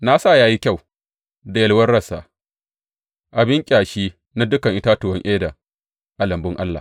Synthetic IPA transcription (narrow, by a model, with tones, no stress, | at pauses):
na˦sa˦˨jaː˦ji˦kʲa˦˨w | da˨jɐ˦lwɐ˦rɽɐ˦˨sa̰ː˨ | ʔa˨bɪ˦ŋkʲʼaː˨ʃiː˦ | na˦dʊ˦kɐ˨ŋʔɪ˦taː˦tʊ˨wɐ˦ŋʔeː˦da˨ | ʔa˦lɐ˨mbʊ˦ŋʔa˦lːa̰˨